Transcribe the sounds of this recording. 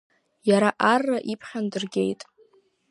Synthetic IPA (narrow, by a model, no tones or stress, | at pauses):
jaɾaʔarːaʔipʰχʲandɨrɡʲe̞jtʼ